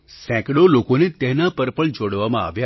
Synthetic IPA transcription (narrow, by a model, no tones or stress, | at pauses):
sɛ̃kɽolokonet̪ɛɦnapəɾpəɭd͡ʒoɽʋamãa̰ʋja